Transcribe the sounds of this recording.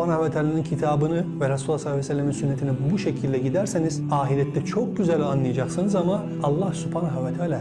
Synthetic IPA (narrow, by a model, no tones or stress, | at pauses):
anhavɛt̪ʰaːlʲanincʰit̪ʰaːbɯnɯvɛɾasulˠːasˠaɛsɛlʲːeminsynːet̪ʰinibuʃecʰilʲd̪ʲɛɟid̪æɾseniz̥aːɦilʲɛt̪ʰːɛt͡ʃʰo̞k̚ɟyzælʲanlˠɯjad͡ʒaksɯnɯzamaː | lˠːahsupʰaːnɦavɛt̪ʰaːlʲa